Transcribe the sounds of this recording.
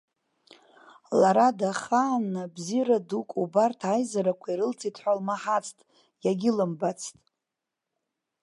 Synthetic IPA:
laɾadaχaːnːabziradukʼubartʰajzaɾakʷʰaiɾɨlt͡sʰitʰħʷalmaħat͡sʰtʼ | jaɡʲɪlɨmbat͡sʰtʼ

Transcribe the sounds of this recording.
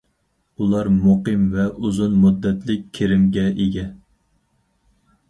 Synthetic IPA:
ulˠɑɾmuqɨmvɛʔuzunmud̪ːɛt̪ʰlɪkʲkʲʰːeɾɪmɡʲɛʔeɡʲɛ

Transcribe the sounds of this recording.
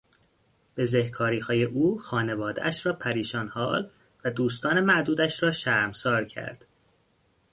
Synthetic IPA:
b̥e̞zehkʰɒːɾiːhɒːje̞ʔuːxɒːne̞vɒːd̪eʔæʃɾɒːpʰæɾiːʃɒːnhɒːl | væd̪uːst̪ɒːne̞mæd̪uːd̪æʃɾɒːʃæɾmsɒːɾcʰæ̰ɾd̪̥

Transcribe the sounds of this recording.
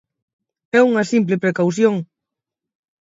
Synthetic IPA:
ɛuŋɐsimp̬lepɾekawθ̬joŋ

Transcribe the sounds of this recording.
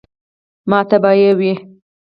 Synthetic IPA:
mɑt̪abɑjawi

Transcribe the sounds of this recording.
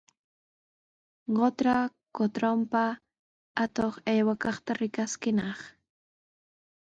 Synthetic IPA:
ɢot̪ɾakot̪ɾompa | at̪oχajwakɑχt̪aɾɪkaskɪnɑχ

